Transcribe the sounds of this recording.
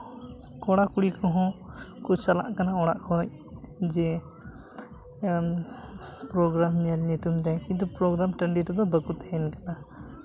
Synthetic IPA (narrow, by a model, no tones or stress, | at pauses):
kɔɽ̃akuɽikʰɔ̃ɦɔ̃kut͡ʃala̰ʔkanaɔɽ̃a̰ʔkʰɔc | d͡ʒɛ | pɾɔɡɾamɲalɲut̪umt̪ɛkint̪upɾɔɡɾamʈəɳɖit̪ɔd̪ɔbəkut̪ɛɛnkana